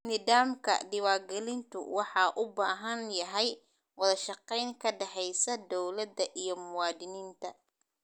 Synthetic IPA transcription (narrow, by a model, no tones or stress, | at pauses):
nɪðaːmkʰɐ̰ɖɪwɑːɡɛlɪnt̪ʰʊ̰wɑħɑʔʊbaːɦɐnjɐɦɛj | wɑðɐʃɑqɛjŋkʰɐɖɛħɛjsɐd̪ɔwlɐd̪ɐʔijɞmʊwɑːd̪ɪniːnt̪ʰɐ